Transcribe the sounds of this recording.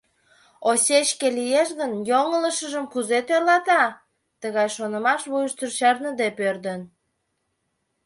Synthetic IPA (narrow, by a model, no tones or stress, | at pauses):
osʲet͡ɕkelijeʃɣənjoŋələʃəʒəmkuzet̪ørlɑt̪ɑ | t̪əɣɑjʃonə̆mɑʃβujəʃt͡s̪yrt͡ɕɑrnəd̪epørd̪ən